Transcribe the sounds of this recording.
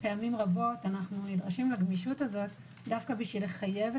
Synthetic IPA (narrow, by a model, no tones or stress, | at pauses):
pe̞amimʁabo̞tanaχnunidʁaʃimlaɡmiʃutazo̞t | dafkabiʃvileχaje̞v